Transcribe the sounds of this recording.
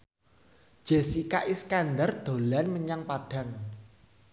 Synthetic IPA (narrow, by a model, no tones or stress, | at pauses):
d̥ʒ̥esikaʔiskand̪ard̪̥o̤lanməɲaŋpaɖ̥a̤ŋ